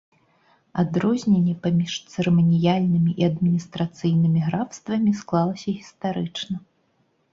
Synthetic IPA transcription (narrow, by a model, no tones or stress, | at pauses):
ad̪ɾɔzʲnʲenʲːɛpamʲiʂt̪sɨɾɛmɐnʲijalʲnɨmʲiʔiɐd̪mʲinʲist̪ɾat̪sɨjnɨmʲiɣɾawst̪vɐmʲisklˠalˠɐsʲɐɣʲist̪aɾɨt͡ʂnɐ